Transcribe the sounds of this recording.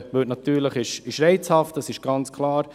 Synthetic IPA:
ʋœtnɑt̪yːɾləχɪʃɪʃɾɛɪt͡shɑft̚d̥ɑsɪʃɡ̥ɑnt͡skʰlˠɑːɾ

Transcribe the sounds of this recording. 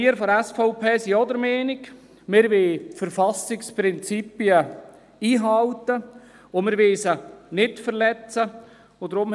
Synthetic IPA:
iəɾfɔɾɛsfɔʊpʰeːsiɔd̪əɾmeːnɪɡ | mɪɾʋeːtfəɾfɑsɪkspɾɪnt͡sipiə | iːɦɑwtə | omɪɾʋesənɪtfəɾlɛt͡sə | odɾʊm

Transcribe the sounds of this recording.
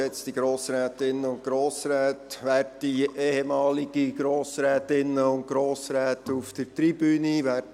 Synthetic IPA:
ɛt͡stiɡɾoːsɾɛːtɪnːəʊnt̚ɡ̥ɾoːsɾɛːtʋæːrtdieːhemɑːliɡ̥iɡɾoːsɾɛːtɪnːəʊnt̚ɡɾoːsɾɛːtuftəɾtɾib̥yːniʋæː

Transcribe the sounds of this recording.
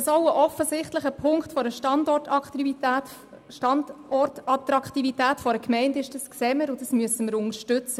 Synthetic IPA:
sɔwəʔɔfəsɪχtləχəpʰʊŋktfɔɾəʃtɑndɔrtɑæːt | ʃtɑndɔrtɑtɾɑkχtivitæːtfɔɾəkmɛɪndɪʃd̥ɑskseːməɾʊdɑsmyəsəməɾʊŋəʃtʉt͡sə

